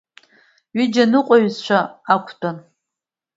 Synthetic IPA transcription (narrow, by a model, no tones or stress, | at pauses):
ɥid͡ʒanɨqʷʼaɥzt͡ʃʷʰaakʷʰtʰʼan